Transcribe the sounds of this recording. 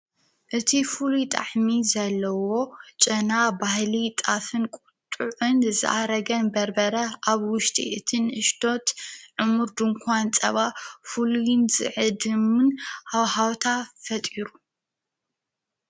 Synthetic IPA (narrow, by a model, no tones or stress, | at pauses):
ʔɨt̪ʰifulut̪ʼa̰ħmizɐlːɐwo̞t͡ʃʼɐnabahlit̪ʼafɨnkʼʊt̪ʼːuʕɨnzɨ̰ʔaɾɐɡɐnbɐɾbɐɾɐʔaβwʊʃt̪ʼḭʔɨt̪ʰɨnʔɨʃt̪ʰo̞t̪ʕɨmuɾd̪ɨŋkʰʷant͡sʼɐ̰βafulujɪnz̥ɨ̰ʕɨd̪ɨmɨnhawhawt̪ʰafɐt̪ʼiɾu